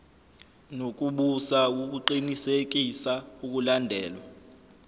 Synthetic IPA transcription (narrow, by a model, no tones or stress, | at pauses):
nok̬ʼuɓusauk̬ʼuǃinisek̬ʼisauk̬ulandʱɛːlwa